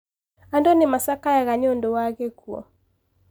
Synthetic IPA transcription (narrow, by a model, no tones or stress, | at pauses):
andonemasakajaɣaɲondowaɣekuɔ̰